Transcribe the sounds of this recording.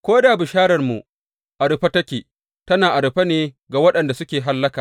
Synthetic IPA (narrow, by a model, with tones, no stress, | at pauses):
kʷoː˦daː˨bɪ˨ʃaː˦ɾɐ˨rmṵ˨ | ʔa˨ɽɪ˨ɸa˦tɐ˦kʲeː˨ | tɐ˦naː˨ʔa˨ɽɪ˨ɸa˦neː˨ | ɡa˨wɐ˦ɗɐ˨nda˨sʊ˦kʲeː˨ɦa˦lːɐ˦kaː˨